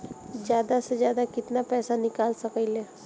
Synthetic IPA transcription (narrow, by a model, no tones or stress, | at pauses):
d͡ʒjaːd̪ased͡ʒjaːd̪akɪt̪napɛːsanɪkaːlsɐkəleː